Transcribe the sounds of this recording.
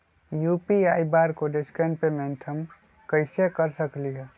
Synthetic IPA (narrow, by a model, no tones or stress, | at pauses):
juːpiaːibaːɾkoɖɪskenpemẽnʈʰəm | kəɪsekəɾsəkliɦɛ